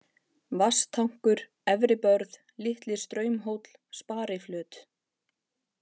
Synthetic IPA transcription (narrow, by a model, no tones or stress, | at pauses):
vast̪ʰːawŋ̥kʏɾ | ɛvɾɪpœɾð | lɪht̪lɪst̪ɾœːɥmɦowt̪l̥spaːɾɪflʏːt̪